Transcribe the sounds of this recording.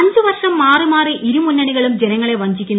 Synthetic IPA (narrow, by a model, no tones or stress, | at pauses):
ɐɲd͡ʑɨʋɐrʂɐmːaːrimaːriʔiɾumunːɐɳiɣɐɭumd͡ʑenɐŋːɐɭe̞ʋɐɲd͡ʑikʲːunː